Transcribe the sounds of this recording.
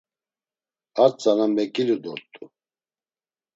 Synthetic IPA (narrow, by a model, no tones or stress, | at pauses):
aɾt͡sʼanamɛkʼilud̪ɔɾt̪ʼu